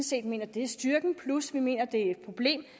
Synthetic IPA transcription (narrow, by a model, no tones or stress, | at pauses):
n̩se̝̰ːd̥me̝̰ːnɐd̥e̝æɐsd̥yɐɡ̥n̩pʰlusʋime̝̰ːnɐd̥e̝æed̥̚pʰʁo̝b̥le̝̰ːm